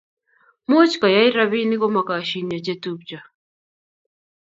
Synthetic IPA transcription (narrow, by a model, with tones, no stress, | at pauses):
mo˦t͡ʃka˨ja˦i˦ɾa˦βi˦ni˦kɔ˦ma˨ka˨ʃi˨ɲa˨t͡ʃɛ˦tu˦p̚t͡ʃa˨